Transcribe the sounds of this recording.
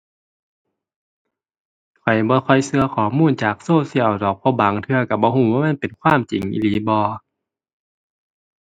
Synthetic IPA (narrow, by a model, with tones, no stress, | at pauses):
kʰɔ˨˩jbɔː˧˦kxʰɔ˧˩jsɯ˧ɐkʰɔː˨˩˦muː˧˥˨nt͡ɕaː˨˩k̚soː˧˥˨si˧˨əwdɔː˨˩˦k̚pʰɔː˧˦baː˨˦ŋt̪ʰɯ˧ɐka˧˩bɔː˧˦ɦuː˧˩˦waː˧ma˧˥˨pe˨˩nkʰwaː˧˥˨mt͡ɕi˨˦ŋʔḭ˧˨liː˨˦bɔː˧˦